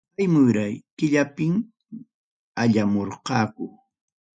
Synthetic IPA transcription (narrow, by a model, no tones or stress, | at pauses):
ajmʊjɾajkɪʎapɪŋ | aʎamoɾqɑːkʊ